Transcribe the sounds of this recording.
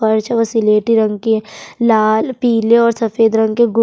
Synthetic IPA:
ɐɾt͡ʃaʋəsileːʈiɾɐ̃ŋɡkelaːlpiːleɔːɾsɐfeːd̪ɾɐ̃ŋɡkeɡʊ

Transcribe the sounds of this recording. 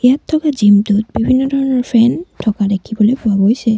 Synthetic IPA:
ejatʰːɔkazimtut̚bibʱinːɔdʱɔɹɔnɔɹpʰɹɛntʰɔkadekʰibɔlojpʊaɡojsɛ

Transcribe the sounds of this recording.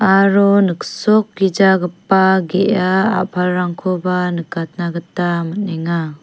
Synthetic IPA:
aɾɔnɯksɔk̚ːid͡ʒaɡɯpːaɡeʔaa̰pʰalɾaŋkʰɔbanɯkat̚naɡɯtamət̚neŋa

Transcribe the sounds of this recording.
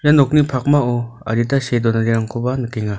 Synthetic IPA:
janɔk̚nipʰak̚maɔa̰ɾitasedɔnadiɾaŋkʰɔbanɯkeŋa

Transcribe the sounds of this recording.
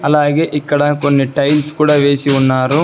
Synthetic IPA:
ɐlaːɡe̞ːʔikːɐɽɐko̞nːiʈɐjlskuːɽaːʋeːsiunːaːɾu

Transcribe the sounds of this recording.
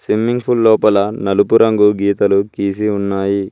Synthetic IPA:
simːiŋɡpʰulːɔːpɐlɐnɐlupuɾɐŋɡuɡiːt̪ɐlukiːsiunːaːji

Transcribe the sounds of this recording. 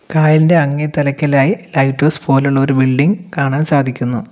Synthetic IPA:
kaːjinde̞ɐŋːet̪ɐlɐkʲːɐlaːjilɐjʈːoːspo̞ːluɭːɐo̞ɾubilɖiŋɡkaːɳaːnsaːd̪ʱikʲːunːu

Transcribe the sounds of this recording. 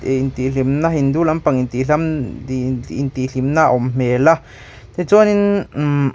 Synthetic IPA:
ʔent̪ilimnãhind̪ulampaŋint̪ilam | int̪ilimnãʔomm̥mela | t̪et͡sonĩn

